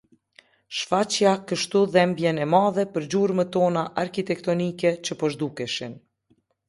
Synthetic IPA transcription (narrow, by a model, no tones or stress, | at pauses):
ʃfat͡ɕjakəʃt̪uðɛmbjɛnɛmaðɛpəɾd͡ʑuɾmət̪ɔnaʔaɾkit̪ɛkt̪ɔnikɛt͡ɕəpɔʒd̪ukɛʃin